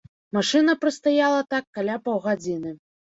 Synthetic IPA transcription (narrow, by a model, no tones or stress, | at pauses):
maʂɨnɐpɾɨst̪ajalˠɐt̪akːalʲapɐwɣad͡zʲinɨ